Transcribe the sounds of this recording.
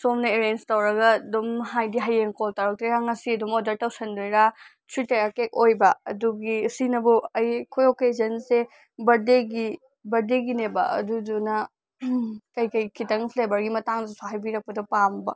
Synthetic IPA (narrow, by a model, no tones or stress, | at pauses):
somnɐeɾenstɐwɾɐɡɐdumɦajdiɦajeŋkoltaɾɐk̚tɾeɾaŋɐsiɐdumodɐɾtɐwsɐndojɾa | tʰwitejakek̚ojbɐɐ̰duɡisinɐbuɐjkʰojokezɐnse | bɐɾdeɡi | bɐɾdeɡinebɐɐ̰dudunɐ | kɐjkɐjkʰitɐŋpʰlebɐɾɡimɐtaŋdɐsaɦajbiɾɐk̚pɐdɐpambɐ